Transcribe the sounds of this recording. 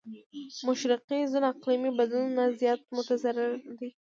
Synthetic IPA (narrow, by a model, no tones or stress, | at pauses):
mʊʃɾɪqizunaqlimibad̪lunnazjɑt̪̚mʊt̪azaɾɪɾd̪i